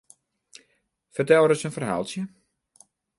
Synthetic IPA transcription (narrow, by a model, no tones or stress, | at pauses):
fərtɛwɾəsənfərɦalˠsjə